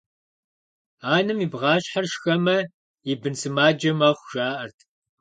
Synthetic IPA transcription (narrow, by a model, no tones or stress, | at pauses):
aːnɨmibʁɑːɕħarʃxɐmɐ | ibɨnt͡sʰɨmaːd͡ʒɐmɐχʷʒaːʔɐrtʰ